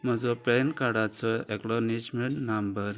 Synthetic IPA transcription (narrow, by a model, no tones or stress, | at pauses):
m̤əd͡zɔpɛnkaɽat͡sɔeklɔnid͡ʑmeɳʈnambəɾ